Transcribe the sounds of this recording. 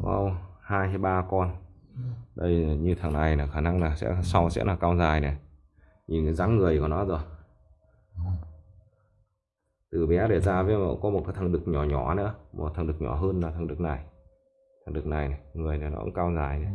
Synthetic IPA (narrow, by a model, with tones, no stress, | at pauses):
kɔ̰˧whaː˧jha˧˦jɓaː˧kɔ˧n | ɗə˧jɲɨ˧t̪ʰa˨˩ŋna˨˩jna˨˩xaː˧˩na˧ŋnaː˨˩sɛ̰˧˥˨sa˧wsɛ̰˧˥laː˨˩kaː˧wzaː˨˩jne˨˩ | ɲi˨˩nkɨ˨˦zaː˨˦mŋɨ˨˩əjkɔ˧˩nɔ˨˦˥zo˨˩j | t̪ɨ˨˩ɓɛ˨˦ɗe˧˩zaː˧vəː˨˦jmə̰˧˥˦kɔ˨˦mo˨˩t̚kaː˨˦t̪ʰa˨˩ŋ˨ɗɨ˨˩k̚ɲɔ˧˩ɲɔ˧˩nɨ̰˧˥mʔo˨˩t̪ʰa˨˩ŋ˨ɗɨ˨˩k̚ɲɔ̰˧˩ɦəː˧naː˨˩t̪ʰŋɗɨ˨˩k̚na˨˩j | t̪ʰa˨˩ŋɗɨ˨˩k̚na˨˩jna˨˩ŋɨ˨˩əjne˨˩nɔ̰˨˦ʔṵ˧˥kaː˧wzaː˨˩jne˨˩